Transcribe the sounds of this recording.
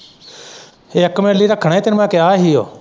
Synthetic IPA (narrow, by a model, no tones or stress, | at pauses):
eːəkːmeːliːɾakʰəɳaːiːt̪ɪnmãːkeaːɦijo̰ː